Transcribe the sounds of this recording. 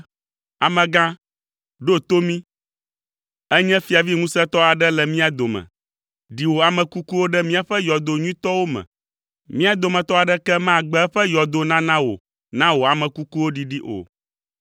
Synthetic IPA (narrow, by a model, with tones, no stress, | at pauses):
a˨mɛ̃˨ɡã˦ | ɖo˦t̪o˦mĩ˦ | ɛ˦ɲɛ̃˦fi˨a˨vi˦ŋũ˦sɛ˦t̪ɔ˦a˨ɖɛ˦lɛ˨mĩ˦a˨d̪o˨mɛ̰̃˨ | ɖi˨wo˨a˨mɛ̃˨ku˦ku˦wo˦ɖɛ˦mĩ˦a˨ɸɛ˦jɔ˨d̪o˨ɲũ˦ĩ˦t̪ɔ˦wo˦mɛ̰̃˨ | mĩ˦a˨d̪o˨mɛ̃˨t̪ɔ˦a˨ɖɛ˦kɛ˦mã˦˨ɡ͡bɛ˦ɛ˦ɸɛ˦jɔ˨d̪o˨nã˦nã˦wo̰˨ | nã˦wo˨a˨mɛ̃˨ku˦ku˦wo˦ɖi˨ɖi˦ʔo̰˨